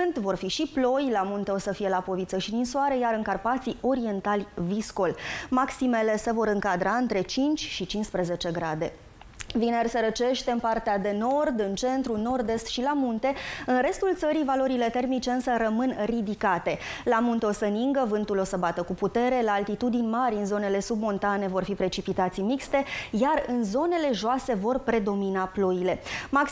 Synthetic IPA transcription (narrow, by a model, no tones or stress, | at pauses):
ɨnt̪vo̞rfiʃiplo̞jlamunt̪e̞o̞səfije̞lapo̞vit̪səʃid̪insuaɾəjaɾɨŋkarpat̪sio̞ɾie̞nt̪alʲvisko̞lmaksime̞le̞se̞vo̞ɾɨŋkad̪ɾʔaɨnt̪ɾe̞t͡ʃint͡ʃʲʃit͡ʃinspɾe̞ze̞t͡ʃe̞ɡɾad̪e̞̰ | vinersəɾət͡ʃe̞ʃt̪e̞ɨnpart̪ead̪e̞no̞rd̪ɨnt͡ʃe̞nt̪ɾuno̞rd̪e̞st̪ʃilamunt̪e̞ɨnɾe̞st̪ult̪səɾivalo̞ɾile̞t̪e̞rmit͡ʃe̞ɨnsəɾəmɨnrid̪ikat̪e̞lamunt̪eo̞səɨniŋɡəvɨnt̪ulo̞səbat̪əkuput̪e̞ɾe̞laːlt̪it̪ud̪inʲmaɾʲɨnzo̞ne̞le̞sub̚mo̞nt̪ane̞vo̞rfipɾe̞t͡ʃipit̪at̪sijmikst̪e̞jarɨnzo̞ne̞le̞ʒoase̞vo̞rpɾe̞d̪o̞minaplo̞ile̞mak